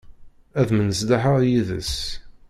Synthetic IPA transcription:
æðmənəsd̪aħəʁjiðə̰s

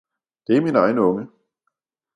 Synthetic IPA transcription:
d̥e̝æɐminɑ̈ɪnəɔ̽ŋə

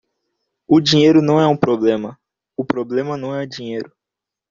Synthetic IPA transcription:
ʊd͡ʒĩɲejɾʊnɐ̃w̃ɛũpɾoblẽmɐ | ʊpɾoblẽmɐnɐ̃w̃ɛʊd͡ʒĩɲejɾʊ

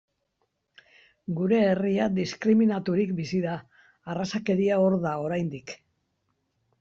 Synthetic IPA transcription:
ɡuɾe̞ːriad̪iskɾiminat̪uɾikbisiðaː | rasake̞ɾiao̞ɾðao̞ɾajnd̪ik

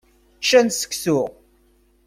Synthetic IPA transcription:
t͡ʃːænsə̥ksʊʁ

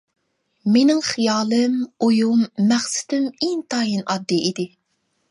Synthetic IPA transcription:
menɪŋχijɑːlˠɨmojumːæχsɪ̥d̪ymeŋt̪ʰɑːjinɑd̪ːiʔid̪ɪ

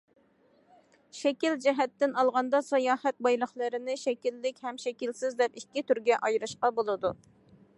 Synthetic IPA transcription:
ʃɛkʲild͡ʒɛɦɛt̪ːɪnɑlˠʁɑnd̪ɑsɑjɑːhɛt̪̚bɑjlˠəχlˠəɾɪnɪʃɛkʲilːɪkʲhɛmʃɛkʲilsɪzd̪ɛpikʲːɪt̪yɾɡʲɛʔɑjɾɨʃqɑbolˠɨd̪u

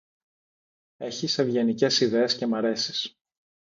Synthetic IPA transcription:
e̞çise̞vʝenice̞siðe̞esce̞mɐɾe̞sis

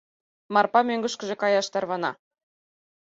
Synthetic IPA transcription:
mɑrpɑmʲøŋɡɘ̆ʃkɘ̆ʒĕkɑjɑʃt̪ɑrβɑnɑ̰

